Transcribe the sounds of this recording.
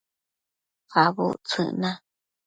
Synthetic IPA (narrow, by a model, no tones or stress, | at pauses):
faβṵt͡sʰɨ̰ʔnã